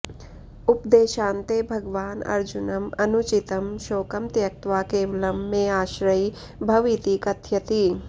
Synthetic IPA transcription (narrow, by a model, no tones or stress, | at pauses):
upd̪eːʃaːnt̪ebʱɐɡʋaːnɐ̰ɾd͡ʒunɐmɐnut͡ʃit̪ɐmʃoːkɐmt̪jɐk̚t̪ʋaːkeːʋɐlɐmːeːaːʃɾɐi | bʱɐʋit̪ikɐt̪ʰjɐt̪i